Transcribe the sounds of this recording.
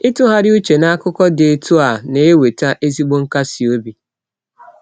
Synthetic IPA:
ɪ˦tu˦ɦa˦ɾɪ˦u˦t͡ʃe˨na˦a˦kʊ˦kɔ˦de˨e˨tu˦a˨ne˨e˦we˨ta˦ʔe˦zi˦ɡ͡bo˦ŋ̩˦ka˦si˨o˦bi˨

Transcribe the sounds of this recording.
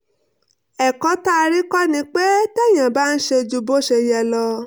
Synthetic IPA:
ɛ˨kɔ˨˦ta˦˧ɾi˦kɔ˦nĩ˧k͡pe˦tɛ˦˨j̃ã˨ba˦n̩˦ʃe˧d͡ʒu˧bo˦ʃe˧jɛ˧˨lɔ˧

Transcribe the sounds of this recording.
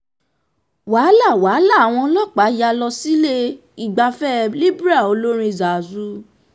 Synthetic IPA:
waː˨˦la˦˨wa˨˦la˦˨a˨w̃ɔ̃˧˦lɔ˦˨k͡pa˨˦ja˧lɔ˧si˦le˦ | i˦˨ɡ͡ba˧fɛ˦li˦ba˦˨o˧lo˦ɾ̃ĩ˧˨za˨zu˨˦

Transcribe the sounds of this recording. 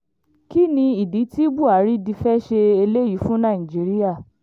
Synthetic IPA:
ki˦nĩ˧i˨di˨˦ti˦bu˦˨a˨˦ɾi˦di˧fɛ˦ʃe˧e˧le˦ji˨˦fũ˦nã˦˨ĩ˨d͡ʒi˨˦ɾi˦ja˦˨

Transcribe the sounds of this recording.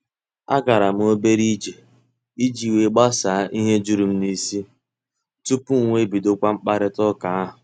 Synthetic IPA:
a̰˦ɡa˨ɾa˨m̩˦o˦be˦ɾi˦d͡ʒe˨ | i˦d͡ʒi˨we˨˦ɡ͡ba˦sa˨˦ʔi˦ɦe˦d͡ʒu˦ɾu˨m̩˦ni˦si˦ | tu˦pu˦ŋ̩˦ŋʷe˦bi˨do˦kʷa˦ŋ͡m̩˦k͡pa˦ɾɪ˦tɔ˦ka˨a˦ɦʊ˨

